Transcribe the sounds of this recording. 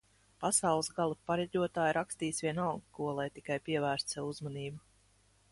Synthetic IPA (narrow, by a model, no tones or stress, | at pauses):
pasawlˠsɡalˠupaɾɛɟʲuɔt̪aːjɾakst̪iːsʋʲiɛnalˠɡkuɔlˠajt̪ikajpiɛvæːɾst̪sɛvuzmaniːbu